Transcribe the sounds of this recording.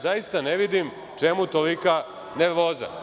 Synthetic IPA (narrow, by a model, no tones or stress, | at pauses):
zajist̪aneʋid̪im | t͡ʃemut̪olika | neɾʋoːza̰